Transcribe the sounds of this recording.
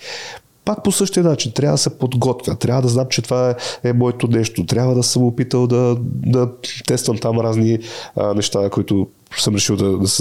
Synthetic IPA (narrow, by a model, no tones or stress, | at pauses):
pak̚posɤʃt̪iənat͡ʃint̪ɾʲavəd̪ɐsɛpod̪ɡɔt̪vʲjɐt̪ɾʲavəd̪ɐznamt͡ʃɛt̪ovaɛmɔɛt̪onɛʃt̪ot̪ɾʲjabvəd̪ɐsəmɡopit̪əlˠd̪ɐd̪ɐt̪ɛst̪vəmt̪amɾazninɛʃt̪akoit̪ʊ | səmɾɛʃilˠd̪ɐd̪ɐs